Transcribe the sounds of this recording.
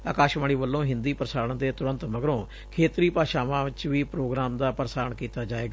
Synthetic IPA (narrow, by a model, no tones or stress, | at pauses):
a̰ːkaːʃmaːɽ̃iːʋəlːõːɦɪ̃nd̪iːpəɾsaːɾɳ̃d̪eːt̪ʊɾə̃nt̪məɡɾõː | kʰeːt̪ɾiːpaːʃaːʋãːʋɪt͡ʃʋiːpɾoːɡɾaːmd̪aːpəɾəsaːɾɳkiːt̪aːd͡ʒaːeːɡaː